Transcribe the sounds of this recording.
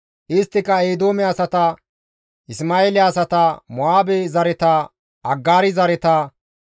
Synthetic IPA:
ʔɪst̪ːɪkɐeːd̪oːmɛɐsɐt̪ɐ | ɪsmaːeːlɪɐsɐt̪ɐmɔaːbɛzɐɾɛt̪ɐ | ɐɡːaːɾɪzɐɾɛt̪ɐ

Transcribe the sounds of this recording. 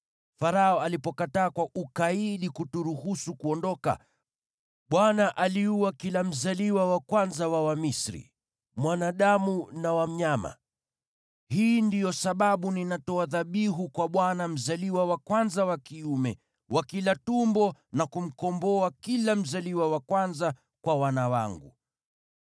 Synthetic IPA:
faɾaɔalipɔkataːkwaʔukaiɗikutuɾuhusukuɔndɔka̰ | ɓwanaʔaliuwakilam̩zaliwawakwanzawawamisɾḭ | mwanaɗamunawam̩ɲama̰ | hiːndijɔsaɓaɓuninatɔaðaɓiɦukwaɓwanam̩zaliwawakwanzawakiumɛ | wakilatumbɔnakum̩kɔmbɔakilam̩zaliwawakwanza | kwawanawa̰ŋɡṵ

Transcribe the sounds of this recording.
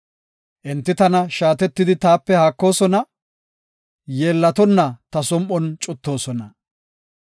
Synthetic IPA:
ʔɪnt̪ːɪt̪ɐnɐʃaːt̪ɛt̪ːɪd̪ɪt̪aːpːɛhaːkːo̞ːsɔnɐ | je̞ːlːɐt̪ɔnːɐt̪ɐsɔmʔɔnt͡ʃʼʊt̪ːo̞ːsɔnɐ

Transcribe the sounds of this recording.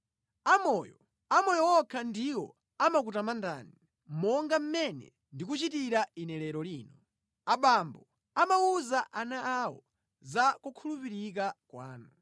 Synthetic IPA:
amɔːjɔ | amɔjɔwɔkʰandiwɔ̰ | amak̬utamanda̰ːni | mɔŋɡam̩mɛnɛ̰ | ndik̬ut͡ʃitiɾainɛlɛɾɔliːnɔ | aɓambɔ | amauzaʔanaawɔ̰ | zakukʰulupiɾik̬akwa̰ːnu

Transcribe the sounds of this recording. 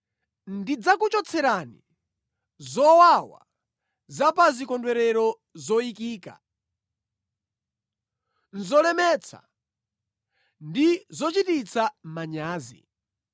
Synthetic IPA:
ndid͡zakut͡ʃɔt͡sʰɛɾanḭ | zɔwawa̰ | zapazikɔndwɛɾɛɾɔ | zɔikiːka̰ | n̩zɔlɛmɛt͡sʰa̰ | ndizɔt͡ʃitit͡sʰamaɲaːzḭ

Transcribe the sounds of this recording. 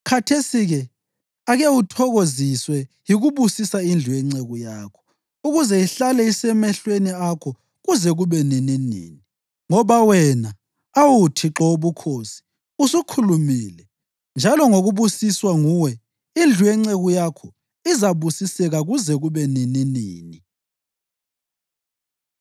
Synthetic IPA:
kʰatʰesiɣɛ | aɣewutʰɔɣoziswɛ | jiɣuβusisaind͡ɮʱujɛŋ͡ǀeɣujaːkʰɔ̥ | uɣuzɛiɬalɛisɛmɛɬweniakʰɔ | ɣuzɛɣuβɛnininḭːni | ŋɔβawɛna | awutʰiǁɔoβukʰoːsi̥ | usukʰulumiːlɛ | nd͡ʒʱalɔŋoɣuβusiswaŋuwɛ | ind͡ɮʱujɛŋ͡ǀeɣujakʰɔ | izaβusisɛɣaɣuzɛɣuβɛnininḭːni

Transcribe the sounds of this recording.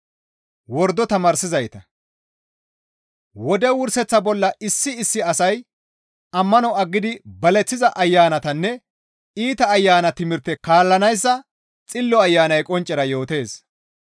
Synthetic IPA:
wɔɾd̪ːɔt̪ɐmaːɾsɪzɐjt̪ɐ | wɔd̪ɛwʊɾsɛt͡sːɐbɔlːɐʔɪsːɪɪsːɪɐsɐj | ɐmːɐnɔɐɡːɪd̪ɪbɐlɛt͡sːɪzɐʔɐjːaːnɐt̪ɐnːɛ | iːt̪ɐːjːaːnɐt̪ɪmɪɾt̪ːɛkaːlːɐnɐjs̬ːɐ | t͡sʼɪlːɔɐjːaːnɐjkʼɔnt͡ʃʼːɛɾɐjo̞ːt̪e̞ːs

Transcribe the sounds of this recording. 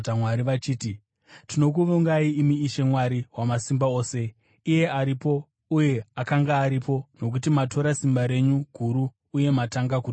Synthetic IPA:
tamwaɾiʋat͡ʃiːti | tino̞k̬uʋuŋɡaiimiːʃemwaɾiwamasimbao̞ːse̞ | ije̞ʔaɾipo̞ | uje̞akaŋɡaːɾipo̞no̞k̬utimatʰo̞ɾasimbaɾe̞ɲuɡʱuɾuː | je̞mataŋɡaku

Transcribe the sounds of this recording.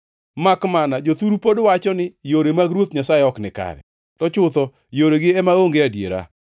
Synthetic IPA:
makmanad͡ʒot̪uɾupodwat͡ʃɔnɪjoɾemaɡɾwot̪ɲasaeɔknɪka̰ɾɛ̰ | tɔt͡ʃʊt̪ɔ | joɾeɡɪɛmaoŋɡeadjḛɾa̰

